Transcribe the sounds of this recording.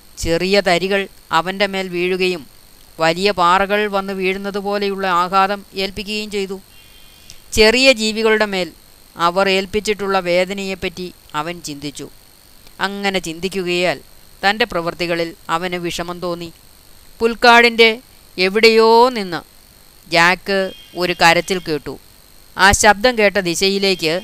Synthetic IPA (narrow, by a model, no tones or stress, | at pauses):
t͡ɕe̞rijɐt̪ɐɾiɣɐɭɐʋɐnde̞me̞ːlʋiːɻuɣɐjum | ʋɐlijɐpaːrɐɣɐɭʋɐnːɨʋiːɻunːɐðupo̞ːle̞juɭːɐaːɣaːðɐmeːlpikʲːuɣɐjumt͡ɕe̞jt̪u | t͡ɕe̞rijɐd͡ʑiːʋiɣɐɭuɽe̞me̞ːl | ɐʋɐre̞ːlpit͡ɕːiʈːuɭːɐʋe̞ːd̪ɐnɐje̞pːɐtːiɐʋɐnt͡ɕind̪it͡ɕːṵ | ɐŋːɐne̞t͡ɕind̪ikʲːuɣɐjaːl | t̪ɐnde̞prɐʋɐrt̪iɣɐɭilɐʋɐnɨʋiʂɐmɐmt̪o̞ːnːi | pulkaːɽinde̞ | eʋiɽejo̞ːninːɨ̰ | d͡ʑaːkːɨo̞ɾukɐɾɐt̪ːilkeːʈːṵ | aːɕɐb̚d̪ʱɐmke̞ːʈ̬ːɐd̪iɕɐjile̞ːkʲːɨ